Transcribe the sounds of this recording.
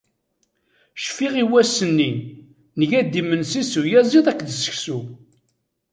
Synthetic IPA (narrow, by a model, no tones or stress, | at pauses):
ʃfiʁiwæsənːi | nəʝæd̪ːimənsisujæziðˤækːðəsə̥çsu